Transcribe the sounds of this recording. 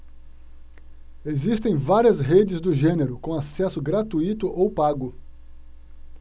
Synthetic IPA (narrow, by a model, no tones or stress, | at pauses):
ezist̪ẽj̃vaɾiɐsɦed͡ʒɪzd̪ʊʒẽneɾʊkõasɛsʊɡɾat̪uit̪ʊʔowpaɡʊ